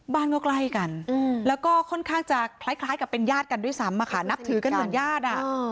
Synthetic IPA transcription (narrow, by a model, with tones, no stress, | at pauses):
baː˥˩nkɔ˥˩kla˥˩jka˧nɯ˧˩lɛː˦˥wkɔː˥˩kʰo˥˩nkʰaː˥˩ŋt͡ɕa˨˩pʰla˦˥jkʰlaː˦˥jkpːe˧njaː˥˩t̪̚ka˧ndu˥˩əjsa˦˥mːaː˧kʰa̰ː˧˩˦na˦˥p̚t̪ʰɯː˩˦ka˧nmɯ˨˩˦njaː˥˩t̪̚ʔa˨˩